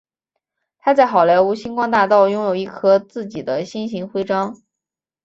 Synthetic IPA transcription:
t̪ʰa˥t͡sa˥˩ɪxɑ˨˩ʊlja˧˥ɪu˧˥ɕi˥nkwɑ˥ŋt̪a˥˧t̪ɑ˥˩ʊjʊ˥ŋjo˨˩ʊi˥˩kʰɤ˥t͡sɹ̩˥˩t͡ɕi˨˩d̪ə˦ɕi˥nɕi˧˥ŋxwe˥ɪʈ͡ʂɑ˥ŋ

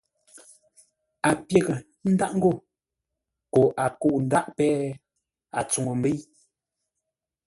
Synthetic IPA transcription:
a˨pje˦˨ɣə˨ | n̩˦da˦ʔŋ̩˦ɡo˦˨ | ko˨ʔa˨ku˦˨ʔn̩˨˦da˦ʔpɛː˦ | a̰˨t͡su˨ŋo˨m̩˨be˦j

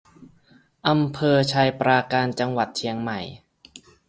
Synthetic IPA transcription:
ʔa˧mpʰɤː˧t͡ɕʰaː˧jpɾaː˧kaː˧nt͡ɕa˧ŋwa˨˩t̪̚t͡ɕʰi˧əŋma˨˩j

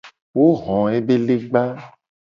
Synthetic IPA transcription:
wo˦ɣɔ̃˨e˦be˦le˦ɡ͡ba˦

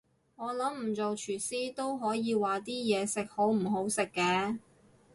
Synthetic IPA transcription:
ŋɔː˨˧lɐ˨˥mm̩˨˩t͡so˨wt͡ʃʰyː˨˩siː˥t̪o˥wɦɔː˨˥jiː˧waː˨t̪iː˥jɛː˨˧sɪ˨k̚ho˨˥wm̩˨˩ɦo˨˥wsɪ˨kːɛː˧

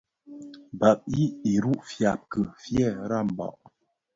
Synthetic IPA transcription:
ba˨p̚i˦i˨ɾu˦ʔfja˨p̚kə˨fjɛ˦˨ɾa˦˨m˨ba̰˨ʔ

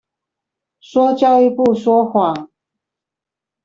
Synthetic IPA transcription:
ʂwɔ˥t͡ɕjɑ˥˧ʊi˥˧pu˥˨ʂwɔ˥xwa˥˩

